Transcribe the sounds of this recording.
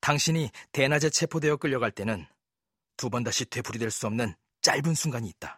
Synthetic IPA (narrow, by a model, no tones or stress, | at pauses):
taŋɕʰiɲite̞nad͡ʑe̞t͡ɕʰe̞pʰode̞jʌk͈ɯʎːʌɡaɭt͈e̞nɯn | tubʌndaɕ͈ʰitwe̞pʰuɾidweɭs͈uʌmnɯn | t͡ɕ͈aɭbunsʰuŋɡaɲiːt̚t͈ḁ